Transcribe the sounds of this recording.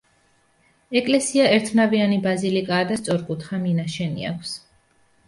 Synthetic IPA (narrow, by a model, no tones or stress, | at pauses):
ɛkʼlɛsiaɛɾt̪ʰnavianibazilikʼaːd̪ast̪sʼɔɾkʼut̪ʰχaminaʃɛnḭa̰kʷʰs